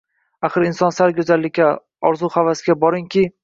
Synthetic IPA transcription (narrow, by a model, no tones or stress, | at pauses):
aχɨɾɪnsɒnsaɾɡʲɵzalːɪk̚ʲːa | ɒɾzuχavasɪɡʲabɒɾɪŋkʲʰɪ